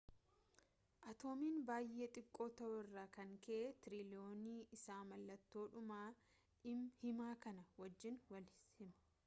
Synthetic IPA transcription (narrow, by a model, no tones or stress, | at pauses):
ʔɐt̪o̞ːmiːnbaːjʔe̞ːt̪ʼɪkʼːo̞ːt̪ɐʔʊɪrːaːkɐŋkɛʔet̪ɪɾilɪoːniːʔɪsaːmɐlːɐt̪ːo̞ːᶑʊmaː | ɪmhɪmaːkɐnɐwɐd͡ʒːɪnwɐlhɪmɐ̥